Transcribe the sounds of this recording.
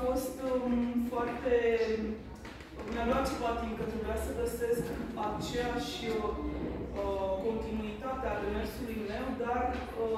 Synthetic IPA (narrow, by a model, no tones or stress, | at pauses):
fo̞st̪foart̪e̞ | nevoat͡ʃepat̪imkət̪ebɾeasəɡəse̞skat͡ʃejaʃ | ko̞nt̪inuit̪at̪ead̪emersulujme̞wd̪ar